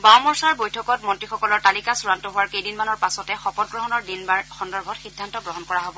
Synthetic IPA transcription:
bawmɔɹsaɹbojtʰɔkɔt̚mɔntɹixɔkɔlɔɹtalikasuɹantɔɦowaɹkejdinmanɔɹpasɔtɛxɔpɔt̚ɡɹɔɦɔnɔɹdinbaxɔndɔɹbʱɔtxidʱːantɔɡɹɔɦɔnkɔɹaɦobɔ

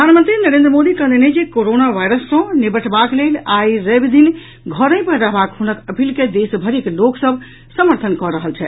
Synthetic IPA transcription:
əd̪ʱanmə̃nt̪ɾinəɾẽnd̪ɾəmod̪ikə̃d̪ened͡ʒekoɾonaʋʱajɾəsːə̃nibəʈʰbaklelajɾəbd̪in | ɡʱəɾə̃jpəɾɾəɦbakɦunəkəpʰilked̪esbʱəɾikloksəbʱ | səməɾt̪ʰənkɔɾəɦəlt͡ʃʰɛ

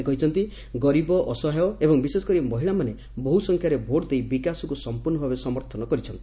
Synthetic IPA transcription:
kɔɦit͡ʃʰɔnt̪i | ɡɔɾibɔʔɔsɔɦeɔebɔŋbisesɔ̥kɔɾimɔɦiɭamane | boɦusɔŋkʰjaɾebʱoʈd̪ejbikasɔkusɔmpuɾnɔbʱabesɔmɔɾt̪ʰɔnɔkɔɾit͡ʃʰɔnt̪i̥

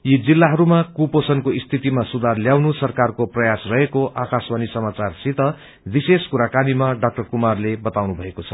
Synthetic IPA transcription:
jid͡zilːaɦʌɾumakuposʌnkoist̪ʰit̪imasud̪ʱarljawnusʌrkarkoprʌjasrʌɦekoʔakaswanisʌmat͡sarsit̪ʌ | biseskuɾakanimaɖʌk̚ʈʌrkumarlebʌt̪awnubʱʌekot͡sʰʌ̥

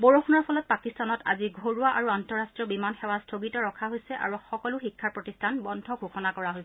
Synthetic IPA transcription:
boɹounɔɹpʰɔlɔt̚pakistanɔta̰ziɡʱoɹuaʔaɹuantɔɹastɹiɔbimanxɛwastʰoɡitɔɹɔkʰaɦojsɛʔa̰ɹuxɔkɔluxikʰːaɹpɹɔtistʰanbɔndʱɔɡʱoxʰɔnakɔɹaɦojsɛ

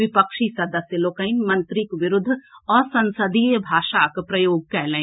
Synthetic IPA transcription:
ʋɪpəkʃisɐd̪əsjəloːkəinmɐ̃nt̪ɾɪkʋɪɾʊd̪ʱːɔːɾsɐ̃nsəd̪ʱijbʱaːʃakpɾɐjoːɡ̚kɛːlẽː

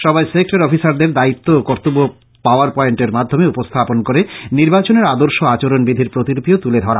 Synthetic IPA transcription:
ʃɔbaesek̚ʈaɾɔfisaɾd̪eɾd̪ait̪ːookoɾt̪obo | paoaɾpɔeɳʈeɾmad̪ʱːomeupost̪ʰaponkoɾeniɾbat͡ɕoneɾad̪oɾʃoat͡ɕoɾonbid̪ʱiɾpɾot̪iɾopiot̪uled̪ʱɔɾa

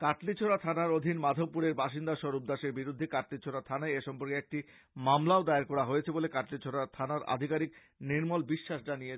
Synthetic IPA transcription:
kaʈlit͡ɕʰoɾat̪ʰanaɾod̪ʱinmad̪ʱopːuɾeɾbaʃind̪aʃɔɾub̚d̪aʃeɾbiɾud̪ʱːekaʈlit͡ɕʰoɾat̪ʰanaeeʃɔmpoɾkeek̚ʈi | mamlaod̪aeaɾkɔɾaɦojet͡ɕʰebolekaʈlit͡ɕʰoɽat̪ʰanaɾa̰d̪ʱikaɾik | niɾmɔlbiʃːaʃɖanije

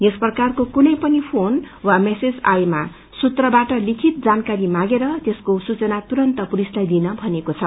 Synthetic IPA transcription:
jesprʌkarkokunʌjpʌnipʰon | wamesed͡za̰jma | sut̪rʌbaʈʌlikʰit̪̚d͡zankaɾimãɡeɾʌt̪eskosut͡sʌnat̪uɾʌnt̪ʌpuɾislajd̪inʌbʱʌnekot͡sʰʌ

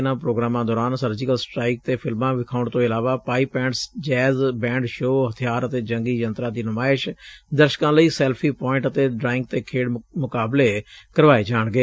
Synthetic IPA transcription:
nãːpɾoːɡɾaːmãːd̪ɔːɾaːnsəɾd͡ʒɪkəlsʈɾaːiːk̚t̪eːpʰɪlmãːʋɪkʰaːʊɳɖt̪õːɪlaːʋaːpaːiːpɛ̃ːɳɖsd͡ʒɛːzbɛ̃ːɳɖʃoːɦət̪ʰijaːɾət̪eːd͡ʒəŋɡiːd͡ʒənt̪ɾãːd̪iːnʊmaːɪʃd̪əɾʃə̥kãːləiːsɛːlpʰiːpɔːɪ̃ɳʈət̪eːɖɾaːɪ̃ŋɡ̚t̪eːkʰeːɽmʊkaːbleːkəɾʋaːeːd͡ʒaːɳɡeː

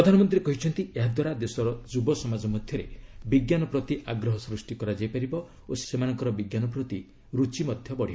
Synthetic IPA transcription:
pɾɔd̪ʱanɔmɔnt̪ɾiɾekɔɦit͡ʃʰɔnt̪ieɦad̪waɾad̪esɔɾɔd͡ʒubɔsɔmad͡ʒɔmɔd̪ʱjɔɾebiɡjanɔpɾɔt̪iʔaɡɾɔɦɔsɾusʈikɔɾad͡ʒajpaɾibɔ | ossemanɔŋkɔɾɔbiɡjanɔpɾɔt̪i | ɾut͡ʃimɔd̪ʱjɔbɔɽ̤ibɔ

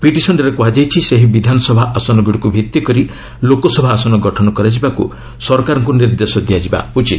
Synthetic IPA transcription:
piʈisɔnɖeɾekuad͡ʒajt͡ʃʰiseɦibid̪ʱanɔsɔbʱaʔasɔnɔɡiɽikubʱit̪ːikɔɾi | lokɔsɔbʱaːsɔnɔɡɔʈʰɔnɔkɔɾad͡ʒibakṵ | sɔɾɔkaɾɔŋkuniɾd̪esɔd̪ijad͡ʒiba̰put͡ʃi

